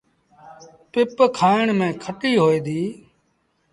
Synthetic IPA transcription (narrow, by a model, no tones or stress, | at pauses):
pɪpkʰaːɪɳmẽːkʰəʈiːɦoːeːd̪iː